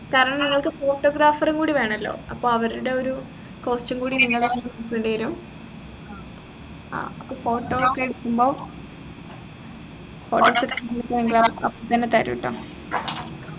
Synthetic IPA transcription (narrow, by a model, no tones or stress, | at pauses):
kaːɾɐɳɐmniŋːɐɭkɨfo̞ːʈːoːɡraːfɐruŋkuːɽiʋe̞ːɳɐlːo̞̰ːɐpːo̞ːɐʋɐɾuɽe̞oɾu | ko̞ːst͡ɕɐŋkuːɽiniŋːɐɭkenŋːnukːuɳɖeɐɾum | ɐpːoːfo̞ːʈːoːokːeeɽukːumbo̞ː | foːʈːoːsɐkɐnlikːɐʋeŋɡilɭɐɐpːoːt̪ɐnːet̪ɐɾɐ̰ʋḭʈːɐ̰m